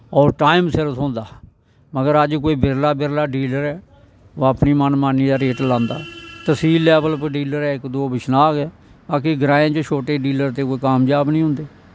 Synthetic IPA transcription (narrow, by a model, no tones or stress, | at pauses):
ɔːɾʈaːɪmsɪɾsʰõːnd̪aː | məɡəɾəd͡ʒkoːiːbɪɾlaːbɪɾlaːɖiːləɾɛː | oəpniːmənmaːnːiːd̪aːɾeːʈlãːnd̪a̰ːt̪əsiːlːɛːbəlpɖiːləɾɛːɪkd̪oːbɪʃnaːkɛː | baːkiɡɾãːẽːt͡ʃot͡ʃʰoːʈeːɖiːləɾt̪eːkoːiːkaːmd͡ʒaːbnĩːɦʊ̃ːnd̪eː